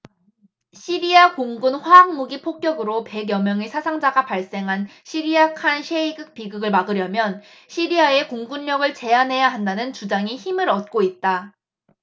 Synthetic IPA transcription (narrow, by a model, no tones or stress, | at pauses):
ɕʰiɾiakoŋɡunɸwaaŋmuɡipʰok̚k͈jʌɡɯɾope̞ɡjʌmjʌŋesʰasʰaŋd͡ʑaɡapaɭs͈e̞ŋɦanɕʰiɾiakʰanɕʰeiɡɯk̚p͈iɡɯɡɯɭmaɡɯɾjʌmjʌn | ɕʰiɾiae̞koŋɡunːʌɡɯɭt͡ɕe̞anɦe̞jaɦandanɯnt͡ɕud͡ʑaŋiçimɯɾʌt̚k͈oit̚t͈a